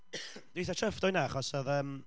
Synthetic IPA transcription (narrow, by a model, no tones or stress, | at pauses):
d̥wiːθatʰəfdɔjnaaχɔsɔðəːm